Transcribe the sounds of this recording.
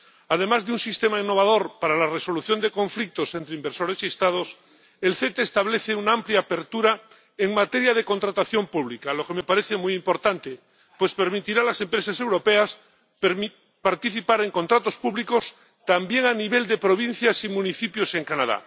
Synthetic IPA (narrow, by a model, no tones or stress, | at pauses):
að̞e̞mazðeunsist̪emainːo̞βaðo̞ɾpaɾalareso̞luθjo̞nd̪e̞ko̞ɱflik̚t̪o̞se̞nt̪ɾeimbeɾso̞ɾe̞siest̪að̞o̞s | e̞lθet̪eːst̪aβleθeunaampljaːpe̞ɾt̪uɾa | eŋmat̪e̞ɾjað̞eko̞nt̪ɾat̪aθjompuβlikalo̞ke̞me̞paɾeθe̞mujimpo̞ɾt̪ant̪e | pwe̞spe̞ɾmit̪iɾalase̞mpɾe̞sase̞wɾo̞pe̞as | paɾt̪iθipaɾe̞ŋko̞nt̪ɾat̪o̞spuβliko̞s | t̪ambje̞ŋaniβe̞ld̪epɾo̞β̞in̟θjasimũniθipjose̞ŋkanaða̰